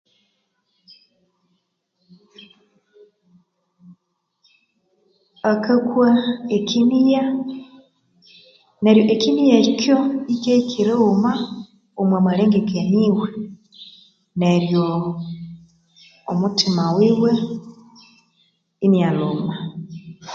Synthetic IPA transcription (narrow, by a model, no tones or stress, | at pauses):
akakwaekinija | neɾjoʔekinijeɾikjoikekiɾuma | omwemweleːŋɡekeɲiwe | neɾjo | omutʰimawiːwe | inijaluma